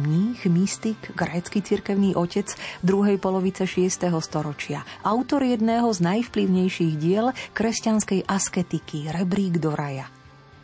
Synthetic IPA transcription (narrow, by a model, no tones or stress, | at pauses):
mɲiːxmist̪iɡɡɾɛːt͡skit͡siɾkɛʊniːʔɔcɛd͡zvd̪ɾuɦɛjpɔlɔʋit͡sɛʃɪɛst̪ɛɦɔst̪ɔɾɔt͡ʃɪaʔaʊt̪ɔɾjɛd̪nɛːɦɔznajfpliʊɲɛjʃiːɣɟɪɛlkɾɛscanskɛjʔaskɛt̪ikiɾɛbɾiːɡd̪ɔɾaja